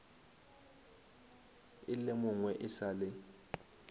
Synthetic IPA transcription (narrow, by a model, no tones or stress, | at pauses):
ɪlemʊŋwɛʔɪsaːlɪ